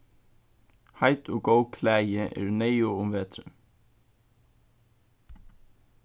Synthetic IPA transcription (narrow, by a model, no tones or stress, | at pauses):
hɑɪt̪ʰoːɡəʊkʰlæjəʔḛːɾʉneɪʊːʊmʋeːt̪ɾʉm